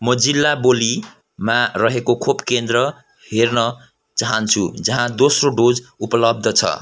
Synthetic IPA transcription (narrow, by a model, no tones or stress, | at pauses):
mʌd͡zilːaboli | marʌɦekokʰopkend̪rʌ | hernʌ | t͡saɦʌnt͡sʰṵd͡zʌɦãd̪osroɖod͡zupʌlʌb̚d̪ʱʌt͡sʰʌ̰